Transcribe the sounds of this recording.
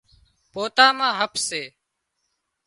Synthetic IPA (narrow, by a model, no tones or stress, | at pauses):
poːt̪aːmãːɦəpʰseː